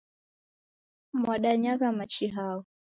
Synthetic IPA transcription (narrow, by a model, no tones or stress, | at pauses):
mwaɗaɲaɣamat͡ʃiɦaɔ